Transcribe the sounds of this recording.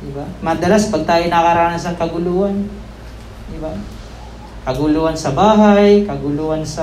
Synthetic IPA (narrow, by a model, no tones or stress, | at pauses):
d̪ɪbamɐd̪ɐlaspɐɡ̚t̪aːjonɐkɐɾaːnɐsɐŋkɐɡʊluːʔɐn | d̪ɪba | kɐɡʊluːhɐnsɐbaːɦajkɐɡʊluːhɐnsɐ